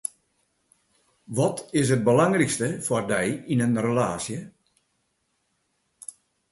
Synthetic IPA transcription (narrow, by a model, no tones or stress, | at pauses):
ʋɔtɪs̬ət̚bəlaŋrikstəfɔrdɛjinənrəlaːsjə